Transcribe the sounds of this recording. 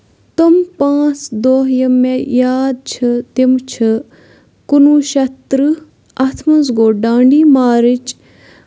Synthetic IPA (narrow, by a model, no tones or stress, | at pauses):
t̪ɐmpãːt͡sd̪oːɦjɐmːejaːd̪̚t͡ʃʰɐt̪imt͡ʃʰɐ | kunuːʃɐt̪ɾɨ | ɐt̪ʰmɐnzɡoːɖãːɳɖiːmaːɾit͡ʃ